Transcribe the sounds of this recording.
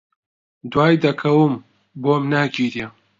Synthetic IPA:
d̪waːjd̪ɐkʰɐwɨm | bomnaːɡiːɾje

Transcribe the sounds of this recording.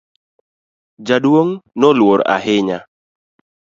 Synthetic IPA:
d͡ʒadwoŋnɔlwoɾa̰ɦɪɲa̰

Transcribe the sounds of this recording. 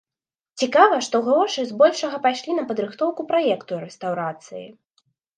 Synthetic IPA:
t͡sʲikavɐʂt̪ɔɣɾɔʂɨzbɔlʲʂɐɣɐpajʂlʲinɐpɐd̪ɾɨxt̪ɔwkupɾajɛkt̪uɾɛst̪awɾat̪sɨjḭ

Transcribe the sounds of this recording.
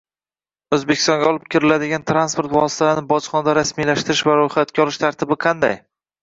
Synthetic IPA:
ɵzbekʲɪ̥st̪ɒŋɡʲaɒlˠɪp̚kʲʰɪɾɪlad̪ɪɡʲant̪ʰɾanspoɾt̪vɒsɪ̥t̪ʰalnɪbɒt͡ʃχɒnad̪aɾasmijlaʃt̪ɪɾɪʃvaɾojχat̪kʲaɒlɾɪʃt̪ʰaɾt̪ʰɪbɪqʰɑnd̪a̰j

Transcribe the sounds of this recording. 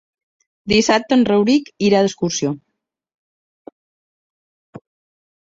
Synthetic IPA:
d̪isap̚t̪ənrəwɾikiɾaðəskuɾsjo

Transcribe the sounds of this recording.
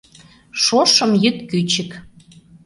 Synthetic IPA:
ʃoʃə̆mjyt̪kyt͡ɕɘ̆k

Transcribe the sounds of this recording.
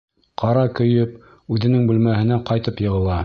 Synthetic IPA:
qʰɑɾɑkɵ̆jɵp | ʉðɘ̆nɘŋbʉlmæhɘ̆næqɑjt̪ɤpjɤ̆ʁɤ̆lˠɑ

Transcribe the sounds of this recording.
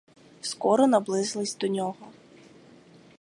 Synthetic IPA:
skɔɾɔnɐblˠɪzlˠɪsʲd̪ɔnʲɔɦɔ

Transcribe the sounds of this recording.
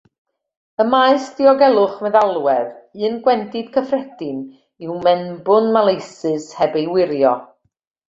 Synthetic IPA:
əmaɨsd̥iɔɡɛlˠʊχmɛðalˠwɛðɨːnɡwɛndɪd̥kʰəfrɛdɪm | iwmɛnbʊnmalˠejsɨshɛbejwɪɾjɔ

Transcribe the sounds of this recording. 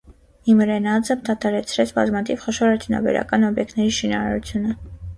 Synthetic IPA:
imɾɛnɑd͡zəmd̪ɑt̪ʰɑɾɛt͡sʰɾɛt͡sʰbɑzmɑt̪ʰivχɔʃɔɾɑɾt̪ʰunɑ̰bɛ̰ɾɑ̰kɑnɔbjɛk̚t̪ʰnɛɾiʃinɑɾɑ̰ɾut͡sʰjunə

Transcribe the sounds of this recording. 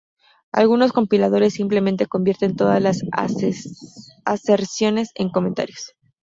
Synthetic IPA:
a̰lɣuno̞sko̞mpilað̞o̞ɾe̞sːimple̞mẽnt̪e̞ko̞mbje̞ɾt̪e̞nt̪o̞ðazlas | ase̞ɾsjo̞ne̞se̞ŋko̞mẽ̞nt̪a̰ɾjo̞̥s

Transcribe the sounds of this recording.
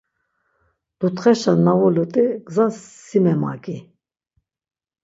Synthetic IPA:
d̪̥ut̪χɛʃanːavɔlut̪ʼiɡ̥zansːimɛma̰ɡʼi

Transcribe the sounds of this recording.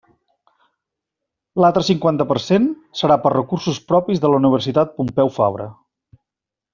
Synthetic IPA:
lalˠt̪ɾəsiŋkwant̪əpərsen | səɾapərəkursuspɾɔpizðələuniβ̞ərsit̪at̪̚pumpɛwfa̰βɾə̰

